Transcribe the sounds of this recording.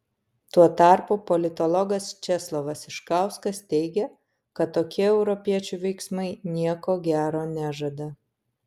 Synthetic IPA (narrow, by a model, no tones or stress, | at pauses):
t̪uɔt̪ɐˑɾpupɔlʲɪt̪ɔlˠɔɡɐst͡ʃʲɛslˠɔʋɐsɪʃkɑˑʊskɐst̪ʲɛɪɡʲɛ | kɐt̪ːoːkʲiɛɛʊɾɔpʲiɛt͡ʃʲuʋʲɛɪksmɐɪnʲiɛkoːɡʲæːɾoːnʲæːʒɐd̪ɐ